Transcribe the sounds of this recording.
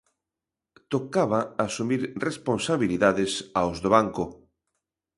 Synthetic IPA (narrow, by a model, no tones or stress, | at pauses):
t̪okaβaasumiɾresponsaβiliðaðɪsaozðoβaŋkʊ